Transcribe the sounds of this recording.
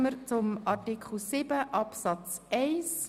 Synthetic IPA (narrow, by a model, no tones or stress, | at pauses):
məɾt͡sʊmɑrtikχl̩sibəʔɑpsɑt͡sɛɪs